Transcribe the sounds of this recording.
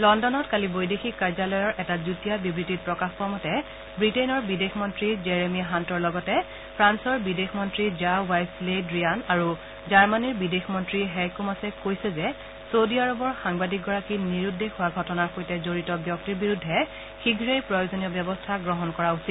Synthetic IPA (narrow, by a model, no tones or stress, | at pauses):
lɔndɔnɔtkalibojdexikːaɹzalɔjɔɹʔɛtazutijabibɹitit̚pɹɔkaxpɔamɔtɛ | bɹitenɔɹbidexmɔntɹid͡ʒɛɹemiaɦantɔɹlɔɡɔtɛ | pʰɹansɔɹbidexmɔntɹid͡ʒawajsledɹianaɹu | zaɹmaniɹbidexmɔntɹiɦɛkumasɛkojsɛzɛ | sodiaɹɔbɔɹxaŋbadik̚ɡɔɹakiniɹudːexʊwaɡʱɔtɔnaɹxojtɛzoɹitɔbjɔk̚tiɹbiɹudʱːɛ | xiɡʱɹejpɹɔjozonijɔbjɔbɔstʰaɡɹɔɦɔnkɔɹausit̚